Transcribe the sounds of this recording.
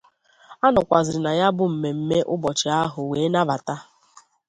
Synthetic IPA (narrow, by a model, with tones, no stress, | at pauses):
a˦nɔ˨kʷa˨zɪ˨ɾɪ˨na˨ja˦bʊ˦m̩˨me˨m̩˨me˦ʔʊ˦bɔ˨t͡ʃɪ˨a˦ɦʊ˨weː˨˦na˦ba˨ta˦